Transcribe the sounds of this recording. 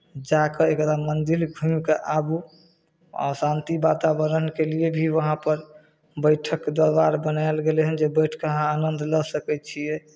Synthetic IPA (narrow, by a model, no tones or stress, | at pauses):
d͡ʒakəekəd̪amənd̪ilɡʱumkeʔabu | ɔ̰sãnt̪ibat̪abəɾənkeliebʱiʋəɦãpəɾ | bəjʈʰəkːd̪oɾbaɾbənaelɡeleɦənd͡ʒebəjʈʰkəɦãanənd̪ʱləsəkɛt̪̚t͡ʃʰiɛ